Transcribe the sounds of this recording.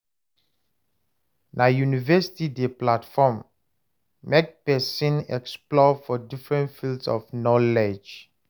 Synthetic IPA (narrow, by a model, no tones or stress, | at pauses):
nʔajunivɛsi̥tideplatfɔ̃mː | ek̚pɛsĩnɛ̰ksplɔfɔdifɹɛ̃ntfildsɔ̰fnɔled͡ʒ